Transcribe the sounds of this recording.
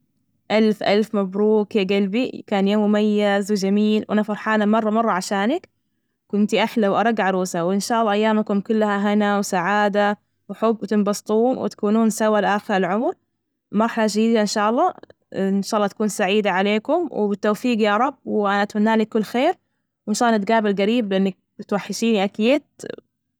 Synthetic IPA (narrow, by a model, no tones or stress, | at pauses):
ʔalfʔalfmabɾuːkjaɡalbikaːnjoːmːʊmajːazwɪd͡ʒamiːlwʔanafɑɾˤħaːnamɑrˤːɑmɑrˤːɑʕaʃaːnak | kʊnt̪iʔaħlawʔɑɾˤɑɡʕɑɾuːsawɪnʃaːʔɑlːɑːʔajːaːmakʊmkʊlːahaɦanawsaʕaːd̪a | wħʊbːwt̪ɪnbɑst̪ˤuːwɪ̰t̪ḁkuːnuːnsawalɪʔaːxɪɾɪlʕʊmɾ | mɑɾˤħalad͡ʒd̪iːd̪aʔɪnʃaːʔɑlˤːɑː | ɪnʃaːʔɑlːɑːt̪ḁkuːnsaʕiːd̪aʕaleːkʊmwɪbɪt̪ːowfiːɡjaɾˤɑbːwʔanat̪ʊnːaːlikːʊlːxeːɾ | wʔɪnʃaːʔːlːɑnɪt̪̚ɡaːbɪlɣaɾiːblɪʔɪnːak̚ | t̪waħːɪʃiːniʔakjeːt̪̚